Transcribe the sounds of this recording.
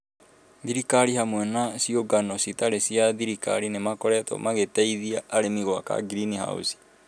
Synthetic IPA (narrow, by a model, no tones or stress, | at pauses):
ðiɾikaɾihamwɛnasioɡanɔsitaɾesiaðiɾika̰ɾinemakɔɾɛtɔ̰maɣetɛiðiaʔːɾemiɣwaka̰ɡɾiniha̰ṵsi̥